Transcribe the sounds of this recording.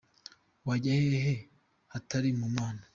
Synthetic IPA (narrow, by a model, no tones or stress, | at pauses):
waɟaheɦe̞ | hataɾimumaːna